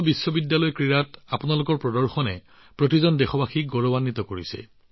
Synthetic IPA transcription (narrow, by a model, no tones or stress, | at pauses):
bisːɔbidjalɔjkɹiɹatapʊnalʊkɔɹpɹɔdɔɹxɔnɛ | pɹotizɔndexɔbaxiɡɔɹɔbanːit̪ɔkoɹisɛ̰